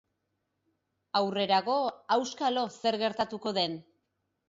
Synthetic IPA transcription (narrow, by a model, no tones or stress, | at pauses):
awre̞ɾaɣo̞awskalo̞se̞ɾɣe̞ɾt̪at̪uko̞ðe̞n